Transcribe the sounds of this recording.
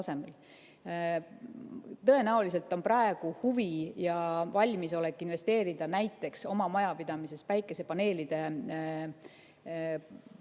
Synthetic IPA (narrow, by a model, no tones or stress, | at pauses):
ɑse̞mel | t̪ɤ̞e̞næolis̬e̞lt̪ːˑo̞npɾɑe̞ɡ̥uhuvijɑvɑlʲmiso̞lekːˑinve̞st̪e̞ːɾid̪̥ɑnæjt̪ːˑe̞kso̞mɑmɑjɑpid̪̥ɑmise̞spæjkːˑe̞se̞pɑne̞ːlid̪̥e̞